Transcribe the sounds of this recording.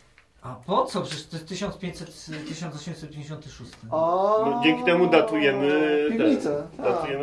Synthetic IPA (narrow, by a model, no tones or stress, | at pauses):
apɔt̪sɔpʂɛʂt̪ɛst̪ɘɕɔnt̪pʲeɲt͡ɕsɛt̪t̪ɘɕɔnt̪sɔɕɛmʲsɛt̪̚pʲj̃eɲd͡ʑeɕɔnt̪ɨʂust̪ɘɔd͡ʑeŋʲkʲit̪ɛmud̪at̪ujɛmɘɛd̪at̪ujɛm